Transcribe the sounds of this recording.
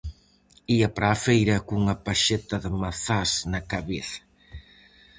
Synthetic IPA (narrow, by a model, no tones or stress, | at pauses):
iɐpɾaːfejɾɐkuŋɐpaʃet̪ɐðəmaθasnɐkaβeθɐ̥